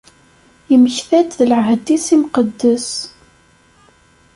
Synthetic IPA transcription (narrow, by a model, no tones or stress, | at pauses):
jəməçθæt̪ðələʕɦəd̪isimqəd̪ːəs